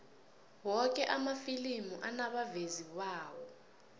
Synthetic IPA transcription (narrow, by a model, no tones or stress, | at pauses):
wɔk̬ɛʔamafilimuʔanaɓavezikwaːwɔ